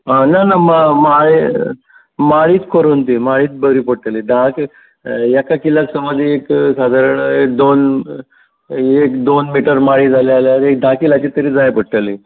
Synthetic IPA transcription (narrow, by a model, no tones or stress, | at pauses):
ananamamaɭe | maɭiːt̪kʰoɾunt̪imaɭiːt̪̚bəɾiːpəɽʈəlid̪ʱak | jakakilaksəməd͡zieksad̪ʱaɾəɳek̚d̪on | ekd̪onmiʈəɾmaɭid͡zʱalealjaɾek̚d̪ʱakilat͡ɕit̪əɾiːd͡zajpəʈʈːəli